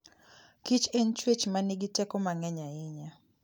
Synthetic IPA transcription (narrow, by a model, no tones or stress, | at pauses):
kit͡ʃeɲt͡ʃwet͡ʃmaniɡitɛkɔmaŋɛɲaɪɲa